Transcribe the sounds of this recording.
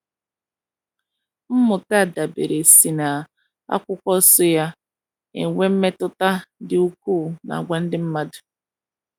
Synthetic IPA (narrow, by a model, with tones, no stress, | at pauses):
m̩˦mʊ˨ta˦˨da˨bḛ˨ɾe˨si˨na˨ | a̰˦kʷʊ˦kʷɔ˦sʊ˦ja˦ | ḛ˨ŋʷe˦m̩˦me˦tʊ˦ta˦dɪ˦u˦kuː˦˨na̰˨ɡʷa˦n̩˦dɪ˦m̩˦ma˦dʊ̥˨